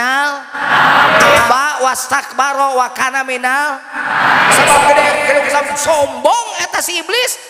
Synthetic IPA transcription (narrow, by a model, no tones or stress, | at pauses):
al | bawast̪ak̚baɾɔwakanaminal | sabap̚kədɔkəluŋsamsɔmbɔŋɛt̪asiːblɪs